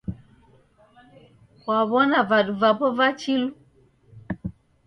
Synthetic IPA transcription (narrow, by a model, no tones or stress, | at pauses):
waβɔnavaɗuvapɔvat͡ʃilu